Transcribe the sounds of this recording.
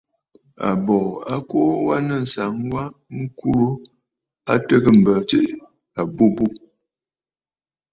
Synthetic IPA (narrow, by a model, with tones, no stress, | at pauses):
a̰˨bɔ˨a˦ko˦wa˦nə˦˨n̩˨sa˨ŋwa˦ŋ̩˦ku˦ɾo˦ | a˦tə˦kə˦m̩˨bə˨t͡ʃe˦ʔ | a˨bu˦bu˦